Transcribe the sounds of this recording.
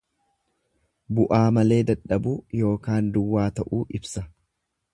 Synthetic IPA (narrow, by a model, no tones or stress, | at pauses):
bʊʔaːmɐle̞ːd̪ɐᶑɐbuːjo̞ːkaːnd̪ʊwːaːt̪ɐʔuːʔɪbsɐ